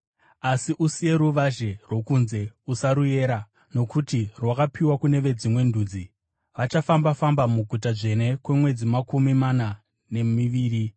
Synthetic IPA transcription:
asiʔusije̞ɾuʋaʒe̞rwo̞kunze̞usaɾuje̞ːɾa | no̞kutirwakapʰiwakune̞ʋe̞d͡zimwe̞ndʱuːd͡zi | ʋat͡ʃafambafambamuɡʱut̬aʐe̞ne̞kwe̞mwe̞d͡zimakumimana | ne̞miʋiːri

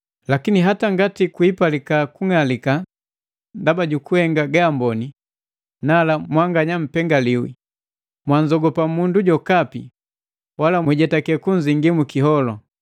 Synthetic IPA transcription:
lakiniɦataŋɡatikwipalikakuŋalika | ndabaɟukuhɛŋɡaɡaːmbɔni | nalamwaŋɡaɲam̩pɛŋɡaliwḭ | mwaɲd͡ʒɔɡɔpamunduɟɔkapḭ | walamwɛɟɛtakɛkuɲd͡ʒiŋɡimukiɦɔlɔ

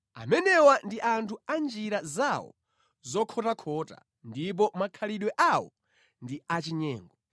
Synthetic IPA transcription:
a̰mɛnɛwandiʔantʰuand͡ʒiɾazawɔ̰ | zɔkʰɔtakʰɔːta̰ | ndip̬ɔmakʰaliɗwɛʔawɔ̰ | ndiat͡ʃiɲɛːŋɡɔ

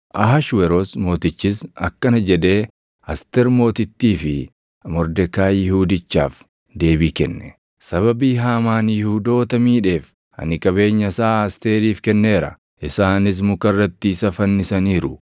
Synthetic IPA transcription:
ʔɐɦɐʃwɛɾoːsmo̞ːt̪ɪt͡ʃːɪsɐ̰kːɐnɐd͡ʒɛd̪e̞ː | ɐst̪ɛɾmo̞ːt̪ɪt̪ːiːfɪ | mɔɾd̪ɛkaːjɪhuːd̪ɪt͡ʃːa̰ːf | d̪e̞ːbiːkɛnːɛ | sɐβɐbiːɦaːmaːnjɪhud̪o̞ːt̪ɐmiːᶑe̞ːf | ɐ̰nɪkʼɐβe̞ːɲːɐsaːɐst̪e̞ːɾiːfkɛnːe̞ːɾɐ̰ | ʔɪsaːnɪs̬mʊkɐrːɐt̪ːiːsɐfɐnːɪsɐniːɾʊ

